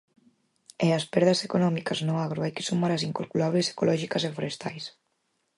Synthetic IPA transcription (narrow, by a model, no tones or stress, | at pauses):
easpɛɾðasekonɔmikaznoaɣ̞ɾoajke̥sumaɾasiŋkolkulaβlese̥kolɔʒikazefoɾest̪a̰js